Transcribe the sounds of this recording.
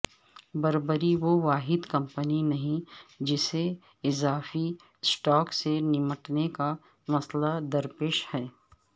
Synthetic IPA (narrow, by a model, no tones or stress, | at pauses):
bɐɾbəɾiʋoʋaːɦɪd̪kɐ̃mpəninɐɦĩd͡ʒɪse | ɪzaːfi | sʈɔːksenɪməʈneka | mɐslad̪ɐɾpeːʃhɛː